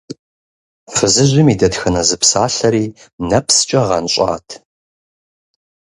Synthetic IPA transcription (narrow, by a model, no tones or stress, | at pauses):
fɨzɨʑʷʊmiːdɐtxɐnɐzɨpʰsaːɬɐɾiː | nɐpʰst͡ʃʼɐʁɐ̰nɕʼa̰ːtʰ